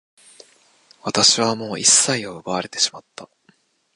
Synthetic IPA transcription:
βat̪aɕiβamo̞ːʔisːaioɯbaβaɾe̞t̪e̞ɕi̥mat̪ːa

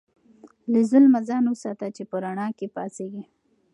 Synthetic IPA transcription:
lɪzʊlmazɑnwusɑt̪at͡ʃepəɾaɳɑkepɑseɡi

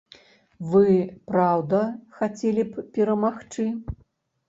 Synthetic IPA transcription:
vɨpɾawd̪ɐxat͡sʲelʲippʲɛɾɐmaxt͡ʂɨ

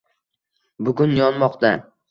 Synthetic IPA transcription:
bʊɡʊnjɒnmɒqt̪a

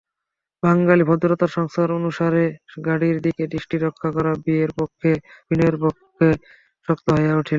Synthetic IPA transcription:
baŋɡalibʱɔd̪oɾot̪aɾʃɔŋst̪ʰaɾonuʃaɾeɡaɽiɾd̪ikeɖiʃʈiɾɔkʰːakɔɾabieɾpokʰːeb̥ineɾpokːe | ʃɔkt̪oɦɔjauʈʰil

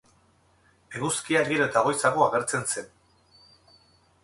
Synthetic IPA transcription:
eɣuskiaiɾot̪aɣo̞jsaɣoaɣ̞e̞ɾt͡se̞nse̞n

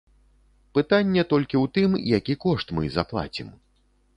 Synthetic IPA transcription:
pɨt̪anʲːɛt̪ɔlʲkʲiwt̪ɨmjakʲikɔʂt̪mɨ̰zaplˠa̰t͡sʲḭm

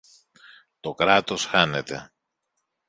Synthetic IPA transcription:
t̪o̞kɾɐt̪o̞sxɐne̞t̪e̞̰

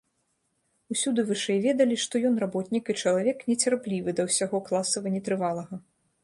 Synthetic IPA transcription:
usʲud̪ɨvɨʂɛjvʲɛd̪ɐlʲiʂt̪ɔjɔnrabɔt̪ʲnʲikɨt͡ʂɐlˠavʲɛknʲɛt͡sʲarplʲivɨd̪ɐwsʲaɣɔklˠasɐvɐnʲɛt̪ɾɨvalˠɐɣɐ

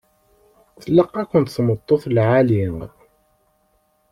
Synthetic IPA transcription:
θəlːəqːækʷʊnt̪θmət̪ˤːoθlʕalim

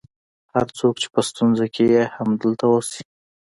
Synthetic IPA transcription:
haɾt͡sokt͡ʃe̥pəst̪unzakʰejehamd̪əlt̪awosi̥

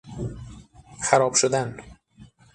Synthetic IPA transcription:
xæɾɒːb̥ʃod̪æn

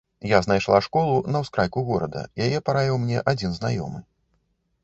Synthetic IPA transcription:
jaznajʂlˠaʂkɔlˠunɐwskɾajkuɣɔɾɐd̪ɐ̰jajɛpaɾavʲiwmnʲɛʔad͡zʲinzna̰jɔ̰mɨ

